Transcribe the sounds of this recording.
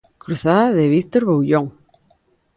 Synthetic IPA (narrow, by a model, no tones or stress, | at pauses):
kɾuθaðaðeβikt̪oɾβowʎoŋ